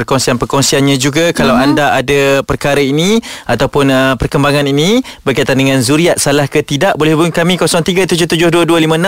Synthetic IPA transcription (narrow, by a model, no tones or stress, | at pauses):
pərkɔŋsianpərkɔŋsianɲãd͡ʒuɡakalawandaʔadapərkaɾainiat̪awpʊnəpərkəmbaŋãninibərkajt̪andəŋãnzuɾiaʔ̪̚salahkət̪idaʔbolɛhbuŋkamĩkɔsɔŋt̪iɡat̪ud͡ʒʊht̪ud͡ʒʊhduəduəlimə̃nã